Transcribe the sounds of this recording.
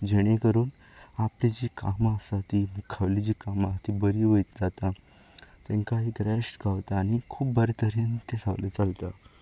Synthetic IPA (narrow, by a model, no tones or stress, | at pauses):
d͡ʑeɽ̃ekəɾuːnaplid͡ʑiːkamasat̪imukʰaʋlid͡ʑiːkamat̪ibəɾiːʋəjt̪d͡zat̪a | t̪eŋkaɦiɡɾɛʂʈɡaʋt̪aːɽ̃ikʰuːp̚bəɾet̪əɾint̪esa̰ʋlḛt͡salt̪a